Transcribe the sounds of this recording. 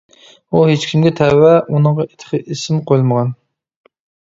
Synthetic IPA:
uhet͡ʃkʲʰimɡʲɛt̪ʰɛwːɛʔunəŋʁɑet̪ʰə̥χʰəʔisɪmqʰojlˠməʁɑn

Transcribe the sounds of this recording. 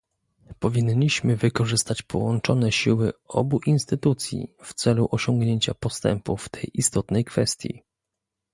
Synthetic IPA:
pɔvʲiɲːiɕmɘvɘkɔʐɘst̪at͡ɕpʰɔwɔnt͡ʂɔnɛɕiwɘɔ̰buʔinst̪ɘt̪ut̪sʲjḭft̪sɛluʔɔɕɔŋɡɲeɲt͡ɕapɔst̪ɛ̰mpuft̪ʰɛjʔist̪ɔt̪nɛjkfɛst̪ʲjḭ

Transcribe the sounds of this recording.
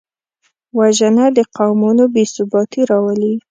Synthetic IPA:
waʒənad̪əqawmunobesʊbɑt̪iɾɑwəli

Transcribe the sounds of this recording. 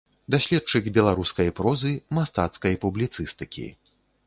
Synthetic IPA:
d̪asʲlʲɛt̚t͡ʂɨɡbʲɛlˠaɾuskɐjpɾɔzɨmast̪a̰t̪skɐjpublʲit̪sɨst̪ɨkʲḭ

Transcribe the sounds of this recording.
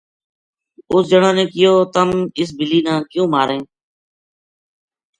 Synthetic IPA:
ʊsd͡ʒəɽãːnẽːkɪjoːt̪əmɪs̬bɪliːnãːkjũːmaːɾẽː

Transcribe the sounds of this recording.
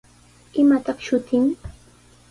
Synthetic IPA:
ɪmat̪ɑχʃʊt̪ɪŋ

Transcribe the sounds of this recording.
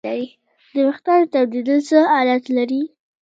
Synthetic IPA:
aɾi | d̪əmɪxt̪ɑɾt̪awd̪id̪ət͡səɑlat̪laɾi

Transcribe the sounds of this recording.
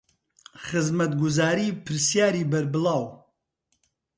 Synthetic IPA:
χɨzmɐt̪̚ɡʊzaːɾiːpʰɨɾsjaːɾiːbɐɾbɨlaːw

